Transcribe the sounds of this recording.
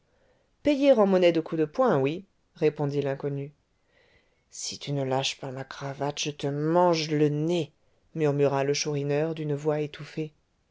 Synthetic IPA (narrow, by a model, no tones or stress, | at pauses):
pɛjeʁɑ̃mɔnɛd̪əkʰud̪əpwɛ̃wi | ʁepɔ̃d̪ilɛ̃kɔny | sit̪ynəlaʃpamakχavat̪ʒ̥ət̪əmɑ̃ʒləne | myʁmyʁaləʃuʁinœʁd̪ynvwaet̪ufe